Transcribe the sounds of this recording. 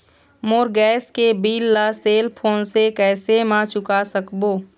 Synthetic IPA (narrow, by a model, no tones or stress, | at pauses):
moːɾɡɛːskebiːlːaseːlpʰoːnsekɛːsemãt͡ʃʊkasəkboː